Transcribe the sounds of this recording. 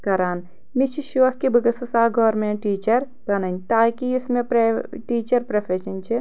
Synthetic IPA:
kɐɾaːn | mit͡ʃʰiʃuʋɐhkibɐɡɐsɐsaːɡʱɔːɾmẽːʈiːt͡ʃɐɾ | b̥ɐnɐnʲt̪aːkiɪsmẽpɾʈiːt͡ʃɐɾpɾɐfʰeʃɐnʲt͡ʃʰi

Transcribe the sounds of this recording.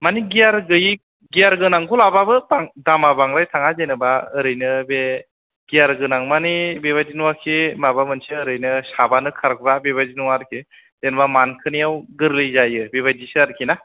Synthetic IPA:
maniɡijaɾɡɯji | ɡijaɾɡɯnaŋɡʰulababɯbaŋdamabaŋɾajtʰaŋazenɯbaɯɾɯjnɯbe | ɡ̥ijaɾɡɯnaŋmanibeβazinuwakʰimabamɯnsiɯɾɯjnɯsabanɯkʰaɾk̚ʰbabeβazinuwaɾkʰi | zenbamankʰɯnijawɡɯɾlɯjzajɯbeβad͡ʒisɯaɾkʰina

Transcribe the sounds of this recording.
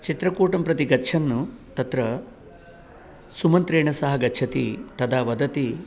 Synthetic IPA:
t͡ʃit̪ɾɐkuːʈɐmpɾɐt̪iɡɐtːt͡ʃʰɐnːut̪ɐt̪ɾɐ | sumɐnt̪ɾeːɳɐsɐɦɐɡɐt͡ʃʰɐt̪ḭt̪ɐd̪aːʋɐd̪ɐt̪i

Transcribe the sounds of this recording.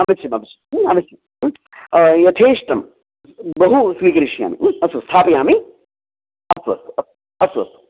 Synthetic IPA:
ɐmit͡ʃʰimɐmit͡ʃʰi̥mɐmisʰjim | jɐt̪ʰeːʂʈɐm | bɐɦusʋiːkɐɾiʃija̰ːmḭɐsust̪ʰaːpɐjaːmi | ɐsuʋɐ̰st̪ɐ | ɐsuɐ̰st̪u̥

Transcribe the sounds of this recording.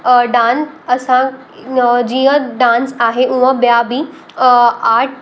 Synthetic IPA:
ɖãːnɐsã | d͡ʑiːɦə̃ɖãːnsaːɦeʔũɦə̃bjabi | aːʈ̚ʰ

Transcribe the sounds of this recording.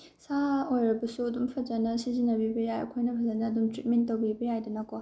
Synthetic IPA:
saojɾɐbɐsuɐdumpʰɐd͡ʒɐnɐsizinɐbibɐjajɐ̰kʰojnɐpʰɐzɐnɐːdumtɾit̚mentːowbibɐjajdɐnɐko

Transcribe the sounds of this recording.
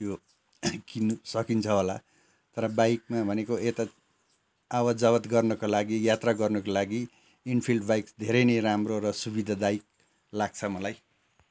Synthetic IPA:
jo | kinusʌkint͡sʰʌɦola̰ | t̪ʌɾʌbajk̚mabʱʌnekoet̪a | awʌd͡zʌβʌt̪ɡʌrnʌkolaɡijat̪raɡʌrnʌkolaɡi | inpʰilɖbajksd̪ʱeɾʌjneɾamroɾʌsubid̪ʱad̪aik̚ | laɡ̚t͡sʰʌmʌlaj

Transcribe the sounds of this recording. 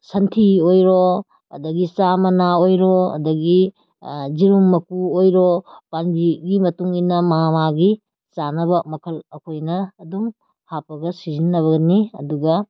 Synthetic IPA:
sɐntʰiojɾɔ | ɐ̰dɐɡisamɐnaojɾɔɐ̰dɐɡi | ziɾumːɐkuojɾɔpanbiɡimɐtuŋinɐmaɦamaɡi | t͡ʃanɐbɐmɐkʰɐlɐkʰojnɐːdum | hapɐɡɐsizinːɐβɐɡɐniɐ̰duɡɐ

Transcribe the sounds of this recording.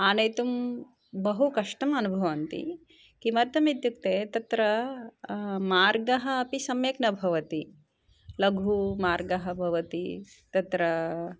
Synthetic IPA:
aːnɐjt̪um | bɐɦukɐʂʈɐmɐnubʱɐʋɐnt̪ḭ | kimɐɾt̪ɐmit̪juk̚t̪eːt̪ɐt̪ɾɐ | maːɾɡɐɦɐːpisɐmjeknɐbʱɐʋɐt̪i | lɐɡʱumaːɾɡɐɦɐbʱɐʋɐt̪ḭ | t̪ɐt̪ɾɐ

